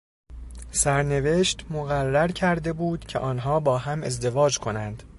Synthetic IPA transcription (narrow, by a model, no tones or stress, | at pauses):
sæɾne̞ve̞ːʃt̪moɣærːæɾcʰæɾd̪e̞buːd̪̥cʰe̞̰ʔɒːnɦɒːbɒːɦæme̞zd̪e̞vɒːd͡ʒkʰo̞nænd̪̥